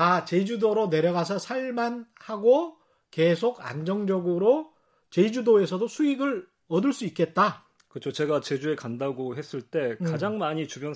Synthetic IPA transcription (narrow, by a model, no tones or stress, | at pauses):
at͡ɕe̞d͡ʑudoɾone̞ɾjʌɣasʰʌsʰaɭmanhaɡo | ke̞sʰoɡa̰nd͡ʑʌŋd͡ʑʌɡɯɾo | t͡ɕe̞id͡ʑudoe̞sʰʌdosʰuiɡɯɭ | ʌdɯɭs͈uik͈e̞t̚t͈a | kɯt͡ɕʰot͡ɕe̞ɡat͡ɕe̞d͡ʑue̞kandaɡoɦe̞s͈ɯɭt͈e̞kad͡ʑaŋmaɲit͡ɕubjʌn